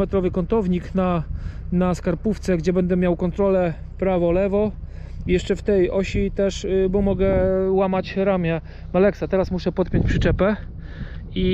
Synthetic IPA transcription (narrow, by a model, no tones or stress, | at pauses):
ɛt̪ɾɔvɘkɔnt̪ɔvɲiknanaskaɾpuft̪sɛɡd͡ʑɛbɛnd̪ɛmʲjawkɔnt̪ɾɔlɛ | pɾavɔlɛvɔ | ijɛʂt͡ʂɛft̪ɛjɔɕit̪ɛʂbɔmɔɡɛwamat͡ɕɾamʲjɛ | malɛksat̪ɛɾasmuʂɛpɔt̪̚pʲjeɲt͡ɕpʂɘt͡ʂɛpɛ | i